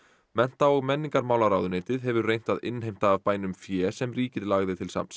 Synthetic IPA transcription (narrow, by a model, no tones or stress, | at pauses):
mɛn̥t̪aɔɣmɛnːiŋkaɾmaːwlaɾaːwðʏneːjt̪ɪðɦɛvʏɾrejn̥t̪aðɪ̰nɦejm̥t̪aːvpaːjnʏmfjɛːsɛmriːcɪðlaɣðɪt̪ʰɪlsa̰ms